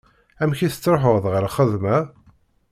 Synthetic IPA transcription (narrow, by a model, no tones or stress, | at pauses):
æmçiθə̥t͡sːɾˤoħəʁðʁəɾχəðmæ